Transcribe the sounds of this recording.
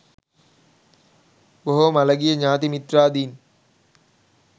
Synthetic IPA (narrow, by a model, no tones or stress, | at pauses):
boɦomalɐɡijəɲaːt̪imit̪raːd̪iːn